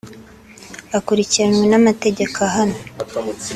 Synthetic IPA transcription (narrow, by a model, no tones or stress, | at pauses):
akuɾiciɾanwenamate̞ɟe̞kaɦano